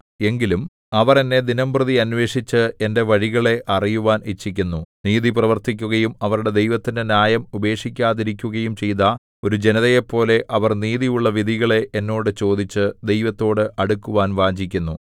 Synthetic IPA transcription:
e̞ŋɡilum | ɐʋɐre̞nːe̞d̪inɐmbrɨðiɐnwe̞ːʂit͡ɕːɨe̞nde̞ʋɐɻiɣɐɭe̞ʔɐrijuʋaːnit͡ɕːikʲːunːuniːðiprɐʋɐrt̪ikʲːuɣɐjumɐʋɐɾuɽe̞d̪ejʋɐt̪ːindenjaːjɐmube̞ːʂikʲːaːðiɾik̬ʲːuɣɐjumt͡ɕe̞jt̪ɐ | o̞ɾud͡ʑe̞nɐðɐjepːo̞ːle̞ʔɐʋɐrniːðijuɭːɐʋid̪ʱiɣɐɭe̞ʔenːo̞ːɽɨt͡ɕo̞ːd̪it͡ɕːɨd̪e̞jʋɐt̪ːo̞ːɽɨʔɐɽukːuʋaːnʋaːd͡ʑik̬ʲːunːu

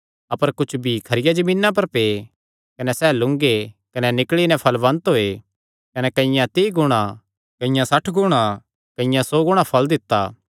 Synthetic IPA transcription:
ɐpəɾkʊt͡ʃʰbʱikʰɐɾɪjad͡ʒɐmĩːnːap̬ɐɾpeː | kɐnɛsɛːlʊ̃ŋɡekɐnɛnɪkɭinɛ̃pʰɐlbɐ̃nt̪ɦoːe | kɐnɛkɐ̃ɪjãt̪iːɡʊɽ̃ã | kɐ̃ɪ̃jãsɐʈʰɡʊɽ̃ã | kɐɪ̃jãsoːɡʊɽ̃apʰɐld̪ɪt̪ːaː

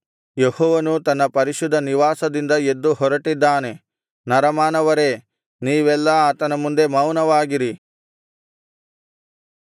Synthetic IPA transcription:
jehɔːʋɐnut̪ɐnːɐpɐɾiʃud̪ʱːɐniʋaːsɐd̪ind̪ɐe̞d̪ːuɦɔɾɐʈid̪ːaːne̞ | nɐɾɐmaːnɐʋɐɾe̞ː | niːʋɛlːɐaːt̪ɐnɐmund̪e̞mɐwnɐʋaːɡiɾi

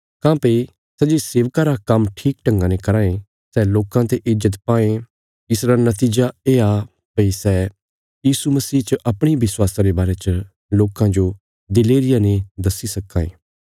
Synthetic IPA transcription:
kãːpɐi | sɛːd͡ʒeseːʋkaːɾakɐmʈʰiːk̚ʈɐ̃ŋɡãːnẽkɐɾãːẽ | sɛːloːkãt̪eʔɪzət̪paːẽ | ɪsɾanɐt̪iːd͡ʒaeːa | pɐisɛː | jiːsumɐsiːt͡ʃəʔɐpɽ̃ibɪswaːsãɾebaːɾet͡ʃə | loːkãd͡ʒo | d̪ɪleːɾɪjaned̪ɐsisɐkːã̰ːḛː

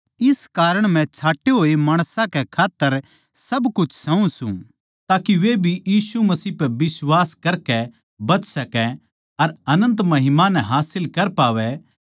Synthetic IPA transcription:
ɪskaːɾəɽ̃mɛ̃t͡ʃʰaːʈːeɦoːemaːɽ̃sãkɛkʰaːt̪ːəɾ | sɐbkʊt͡ʃʰsɐ̃ũsṵ̃ː | t̪aːkiʋebʱijiːsumɐsiːpɛbɪswaːskɐɾkɛ | bɐt͡ʃsɐkɛ̃ | ɐɾɐnə̃nt̪̬mɐɦɪmanɛ̃ɦaːsɪlkɐɾpaːʋɛ

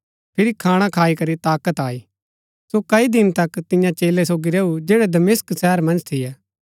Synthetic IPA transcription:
pʰɪɾikʰaːɽ̃ãkʰaːikɐɾit̪aːkət̪aːi | sokɐid̪ɪnt̪ɐkt̪ɪjãt͡ʃeːlːesoːɡiɾeːud͡ʒeːɽɛd̪ɐmɪsksɛɦəɾmɐ̃nd͡ʒt̪ʰɪjɛː

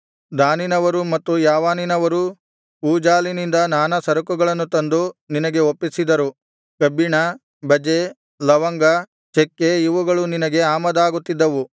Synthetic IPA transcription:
d̪aːninɐʋɐɾumɐt̪ːujaːʋaːninɐʋɐɾu | uːd͡ʒaːlinind̪ɐnaːnɐsɐɾɐkuɡɐɭɐnːut̪ɐnd̪uninɐɡe̞opːisid̪ɐɾu | kɐbːiɳɐ | bɐd͡ʒe | lɐʋɐŋɡɐ | t͡ʃekːeiʋuɡɐɭuninɐɡe̞aːmɐd̪aːɡut̪ːid̪ːɐʋu

